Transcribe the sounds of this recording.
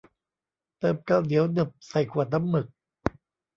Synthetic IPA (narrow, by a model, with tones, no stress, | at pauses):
t̪ɤː˨˩p̚kaː˧˩wli˨˦əwnɯ˨˩p̚sa˨˩jkʰuː˨˩ət̪̚na˧˥mːɯ˨˩k̚